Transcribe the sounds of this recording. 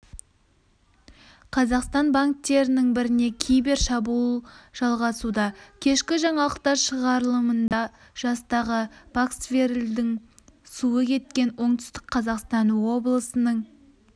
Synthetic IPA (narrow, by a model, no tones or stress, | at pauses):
qʰɑzɑqst̪ɑnbaŋk̚t̪e̞ɾɪnɪŋbɪɾɪne̞kʲʰijbe̞ɾʃɑbulˠʒ̥ɑlˠʁɑsud̪ɑkʲʰe̞ʃkʲɪʒɑɴɑlˠəq̚t̪ɑɾʃəʁɑɾəlˠəmənd̪ɑ | ʒ̥ɑst̪ɑʁəb̥aksveɾld̪ɪŋ | suəkʲʰe̞t̪̚kʲe̞nwʔo̞ɴt̪ʏ̥st̪ɪ̥kqʰɑzɑqst̪ɑnwo̞blˠəsənəɴ